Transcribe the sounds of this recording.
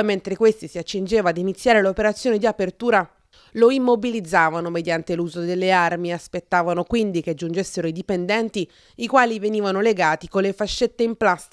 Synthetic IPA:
ment̪ɾekwest̪isiat͡ʃːind͡ʒeːvaːd̪init̪sːjaːɾelopeɾat̪sːjoːned̪iapert̪uːɾa | loimːobilid̪zːaːvanomed̪jant̪eluːzod̪elːearmiaspet̪ːaːvanokwind̪ik̟ead͡ʒːund͡ʒesːeɾoid̪ipend̪ɛnt̪i | ikwaːliveniːvanoleɡaːt̪ikolːefaʃːet̪ːeimplast̪

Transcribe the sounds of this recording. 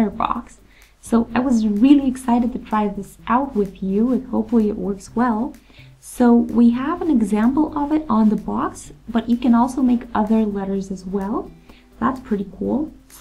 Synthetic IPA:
ə˞bɑ̰ksː | oʊʔaɪwʌzɹɪlˠiɨksaɪɾɨd̚tʰɨtʰɹ̥aɪðɪsʔaʊt̚wɪðjʉɨ̃nhoʊpfl̩ˠiɨ̰ʔwɜ˞kswɛlˠ | soʊwiəvɨ̃nɨɡzæ̃mpl̩ˠʌvɨɾn̩ðəbɑksb̥ʌt͡ʃɨkɨ̃nɔlˠsoʊmeɪkʰʌðə˞lɛɾə˞zɨzwɛlˠ | ðæ̰tspʰɹ̥ɪɾikʰṵlˠ

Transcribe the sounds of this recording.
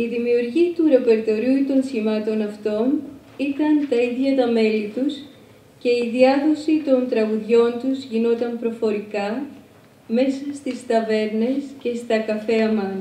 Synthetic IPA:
iðimiuɾʝit̪uɾe̞pe̞ɾt̪o̞ɾiut̪o̞nsçimɐt̪o̞nɐft̪o̞n | it̪ɐnt̪ɐiðʝɐt̪ɐme̞lit̪us | ce̞iðiɐðo̞sit̪o̞nt̪ɾɐɣuðʝo̞nt̪uzʝino̞t̪ɐmpɾo̞fo̞ɾikɐ | me̞sɐst̪ist̪ɐve̞ɾne̞sce̞st̪ɐkɐfe̞ɐmɐ

